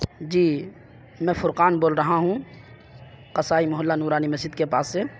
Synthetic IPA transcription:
d͡ʒiː | mɛ̃ːfʊɾqaːnboːlɾɐɦaɦũ | qɐsaːimʊɦəlːanuːɾaːnimɐsd͡ʒɪd̪̚kepaːsːe

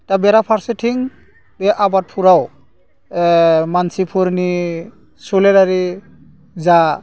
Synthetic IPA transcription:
tabeɾapʰaɾsetʰiŋ | beʔabat̚pʰuɾaw | mansipʰuɾni | suleɾaɾi | za

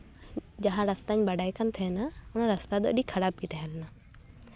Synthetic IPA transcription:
d͡ʒaɦãɾəst̪aɲbəɽajkant̪ʰɛnaʊnaɾəst̪ad̪ɔ̰ʔɗikʰɐɽab̚kit̪ɛɦɛlna

